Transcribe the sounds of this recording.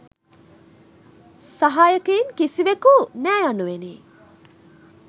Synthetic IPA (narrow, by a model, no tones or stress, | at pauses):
saɦaːjəkeinkisiʋekunæːjanːuʋeniː